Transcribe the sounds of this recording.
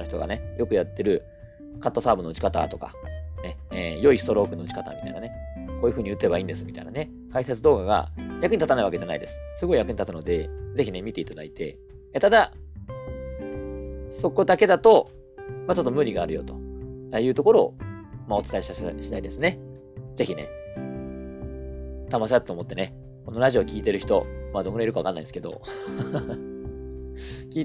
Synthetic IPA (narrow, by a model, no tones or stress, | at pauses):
ɯ̟çit̪oɡa̰ne̞jo̞kɯ̟jat̪ːe̞ɾɯ̟ | kat̪ːo̞saːbɯ̟noo̟t͡ɕi̥kat̪a̰t̪o̞ka̰neeːjo̞isɨ̥t̪o̞ɾo̞ːkɯno̞o̟t͡ɕi̥kat̪a̰ːmʲit̪a̰inane̞koːjɯ̟ɸɯ̟ɲ̟iɯ̟t͡s̪ːe̞baĩːnd̪e̞sɨmit̪a̰ḭna̰ne̞ | kaiset͡sɨd̪o̞ːɡaɡa̰jakɯ̟ɲ̟it̪at̪anaiβa̰ke̞ʑana̰id̪e̞sɨ̥sɨɡo̞ijakɯ̟ɲit̪atɨno̞d̪e̞d͡ze̞çine̞mʲit̪e̞it̪ad̪a̰it̪e̞̰ | t̪ad̪a | so̞ko̞d̪ake̞d̪at̪o̞ | mat͡ɕo̞t̪ːo̞mɯ̟ɾʲiɡaːɾɯ̟jo̰t̪o̞ajɯ̟ːt̪o̞ko̞ɾo̞̰ːmao̞t͡sɨ̥aeɕɕi̥t̪aid̪e̞sɨne | ze̞çine̞̰ | t̪amas̬ɾat̪ːoːmo̞t̪ːe̞ne̞ | ko̞noɾaʑio̞ːkʲiːt̪e̞ɾɯ̟çi̥t̪o̞̰maːd̪o̞kɯɾaiɾɯkaβakanːa̰ĩsɨ̥ke̞d̪o̞̰ | kʲiː